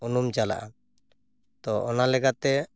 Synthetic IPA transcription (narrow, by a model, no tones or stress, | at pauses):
unumd͡ʒala̰ʔa | t̪ɔɔnalɛkat̪ɛ